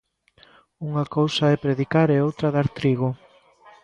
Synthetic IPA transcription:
uŋakowsaɛpɾeðikaɾɛowt̪ɾaðaɾt̪ɾiɣo

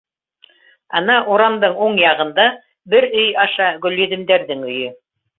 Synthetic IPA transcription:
ɑnɑʔuɾɑmd̪ɤɴuɴjɑʁɤ̆nd̪ɑ | bɘɾɵjɑʃɑɡɵ̆lːɵ̆ðɘ̆md̪æɾðɘŋɵ̆jɵ

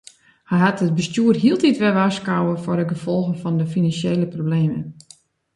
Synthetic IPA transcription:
hɛjɦatət̚bəstjuːərɦiəlˠtitʋɛʋaskawəfʊɾəɡəfɔlˠɣənfɔndəfinansjeːləprobleːmə̰n

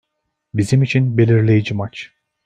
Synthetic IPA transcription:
bizimit͡ʃʰinbe̞lʲiɾlʲe̞jid͡ʒimat͡ʃ

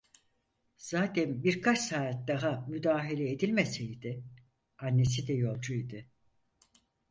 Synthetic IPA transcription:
z̥aːt̪ʰɛnbiɾkʰat͡ʃsaːt̪̚d̪aɦamyd̪aːɦelʲɛed̪ilʲmesejd̪ɪ | anːe̞sid̪ɛjo̞lˠd͡ʒujd̪ɪ

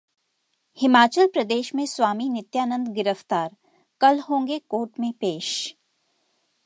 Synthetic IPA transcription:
hɪmaːt͡ʃəlpɾɐd̪eːʃmẽswaːminɪt̪jaːnə̃nd̪ɡɪɾəft̪aːɾ | kɐlɦõːŋɡekoːɾʈmẽpeːʃ

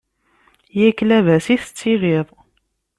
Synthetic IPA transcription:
jæklævæsiθə̥t͡sːiʁɪðˤ

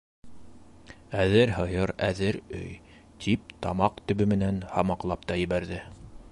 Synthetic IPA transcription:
æðɘɾɦɤ̆jɤɾæðɘɾɵ̰j | t̪ʰip̚t̪ɑmɑqt̪ɵ̆βɵmɘ̆nænhɑmɑqlˠɑp̚t̪ɑjɘ̆βæɾðɘ

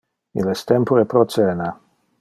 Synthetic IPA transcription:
ḭlɛst̪ɛmpoepɾosɛːna

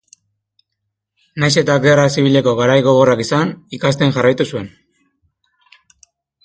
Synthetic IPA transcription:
najse̞t̪aɡerasiβ̞ile̞ko̞ɣaɾajɣo̞ɣ̞o̞rakisanikas̬t̪e̞ŋʝarajt̪usue̞n

